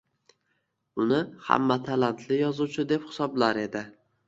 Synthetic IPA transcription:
ʊnɪha̰mːat̪ʰalant̪ʰlɪjɒzut͡ʃʰɪd̪e̞phɪ̥sɒblaɾe̞d̪ɪ

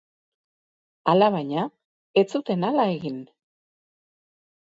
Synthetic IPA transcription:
alaβajɲa | e̞t͡sut̪e̞nalae̞ɣin

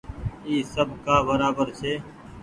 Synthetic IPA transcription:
iːsəbkaːbəɾaːbəɾt͡ʃʰeː

